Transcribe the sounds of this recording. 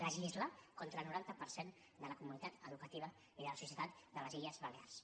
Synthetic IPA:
əʒizlakont̪ɾəlˠnuɾant̪əpəɾsen | d̪ələkumunit̪at̪əðukət̪iβ̞ə | iðələsusijət̪at̪d̪ələziʎəzβəlea̰rs

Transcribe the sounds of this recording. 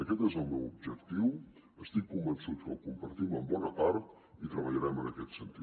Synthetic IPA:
əkɛt̪ezəlˠmɛwub̚ʒəkt̪iw | əst̪ikːumbənsut̪kəkumpəɾt̪iməmbɔnəpaɾt̪ | it̪ɾəβəʎəɾɛmənəkɛt̪sənt̪it̪

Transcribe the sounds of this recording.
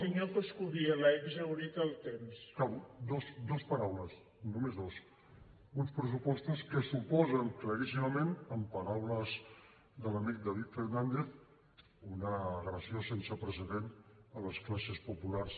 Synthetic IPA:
iɲokəskuɣiɐlajβzawɾit̪əlˠt̪emskawd̪ozd̪ɔspəɾawləs | numezðos | unspɾəs̬upɔst̪əskəsupɔzəŋkləɾisiməmẽnəmpəɾawləz | d̪ələmik̚d̪aβit̪fəɾnãnd̪eθ | unəːɣɾəsjosensəpɾəsəðenələsklasəspupulaɾs

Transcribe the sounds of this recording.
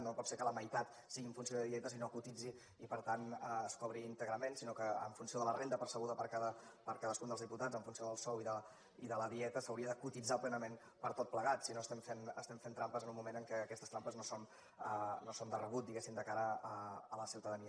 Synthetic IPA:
nopɔt̪seɾkələməjt̪at̪ | siɣiəɱfuns̬ioðəðiɛt̪əsinokut̪id͡ziː | pəɾt̪anəskɔβɾiːnt̪əɣɾəmensinokəə̰ɱfunsioðələrend̪əpəɾsəɣ̞uðəpəɾkaðəpəɾkaðəskund̪lˠzðiput̪ad͡zəɱfunsioðəlˠsɔwiðə | iðələðiɛt̪əsəwɾiəðəkut̪id͡zaplɛnəmen | pəɾt̪ot̪̚pləɣat̪sinoəst̪ɛmfenəst̪ɛmfent̪ɾampəzənumːumenəŋkɛːkɛst̪əst̪ɾampəznoson | ənosond̪ərəβut̪̚d̪iɣesimd̪əkaɾəəːləsiwt̪əðəniə

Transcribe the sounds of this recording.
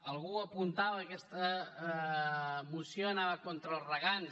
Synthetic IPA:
əlˠɣuəpunt̪aβəːkɛst̪ə | musjoənaβəkont̪ɾəlˠzrəɣan

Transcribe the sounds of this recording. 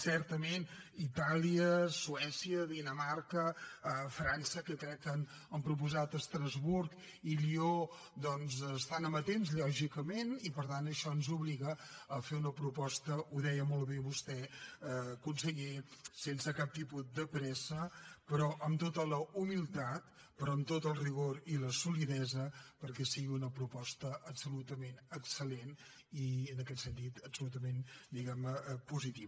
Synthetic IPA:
sɛɾt̪əmenit̪aliəsuɛsiəðinəmaɾkəəfɾansəkəkɾɛkːən | əmpɾup̬uzat̪əst̪ɾəzβuɾk | ilio | d̪ɔnzəst̪anəmət̪emzʎɔʒikəmenipəɾt̪anəʃɔənzuβliɣəːfeunəpɾupɔst̪əuðɛjəmolˠβeβust̪ɛ | əkunsəʎesensəkap̚t̪ipud̪əpɾɛsəpəɾɔʔəmt̪ot̪ələumilˠt̪at̪̚ | pəɾɔəmt̪ot̪əlˠriɣoɾiləsuliðɛzəpəɾkɛsiɣiunəpɾupɔst̪əʔəpsulut̪əmenəksəlen | iənəkɛt̪sənt̪it̪əpsulut̪əmend̪iɣɛmnəpuzit̪iβə

